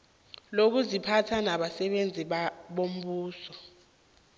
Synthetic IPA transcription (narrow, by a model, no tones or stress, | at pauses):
lok̬uzipʰatʰanaɓasɛɓend͡zʱiɓom̩ɓuːsɔ